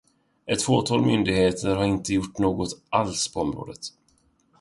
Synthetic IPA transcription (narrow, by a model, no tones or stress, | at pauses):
ʔɛt̪ːfoːt̪ʰɑːlmʏnd̪ɪɡheːt̪ʰəɾɦaɾɪnt̪əjʊʈːnoːɡɔt̪ʔalspʰɔɔmɾo̰ːd̪ət̪